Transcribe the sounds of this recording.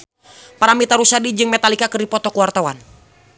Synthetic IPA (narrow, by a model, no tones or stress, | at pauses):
paɾamit̪aɾusadid͡ʒɨŋmɛt̪alikakɨdipɔt̪ɔkuwart̪awan